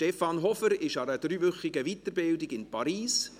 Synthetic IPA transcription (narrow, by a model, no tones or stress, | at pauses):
ʃtɛfɑnɦɔfəɾɪʃɑɾəd̥ɾyːvʏχɪɡəʋit̪əɾbɪldɪɡɪnpʰɑɾiːs